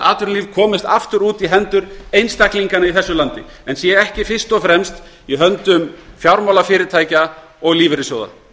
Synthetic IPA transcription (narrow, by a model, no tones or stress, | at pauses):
a̰ːt̪ʏɾliːvkʰɔːmɪst̪a̰ft̪ʏɾuːt̪iɦɛnt̪ʏɾejnst̪akliŋkanaiθɛsːʏlant̪ɪ̰ | ɛnsjɛɛhcɪfɪ̥st̪ɔfɾɛmst̪ | iɦœnt̪ʏmfjawɾmawlafɪːɾɪt̪ʰaːjca | ɔɣliːvɪɾɪsjowða̰